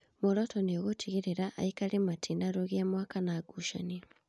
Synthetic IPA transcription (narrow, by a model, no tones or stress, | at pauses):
moɾɔtɔneoɣotʰiɣiɾeɾaʔa̰ikalimatʰinaɾoɣiamwakanaːɡuʃa̰ni